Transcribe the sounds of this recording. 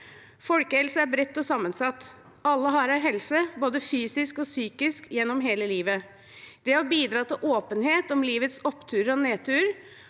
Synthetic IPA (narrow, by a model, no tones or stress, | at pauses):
fɔlkəhɛlsəæɾbɾɛt̪ːɔsɑmːənsɑt̪ː | ɑlːəɦɑɾæɾɦɛlsəboːd̪əfyːsɪskɔsyːkɪskjɛnːɔmɦeːləliːʋə | d̪̥ɛɔbiːd̪ɾɑːt̪ɪlʔoːpənheːt̪ɔmliːʋət̪sɔpːt̪ʰʉːɾɔneːt̪ʰʉːɾ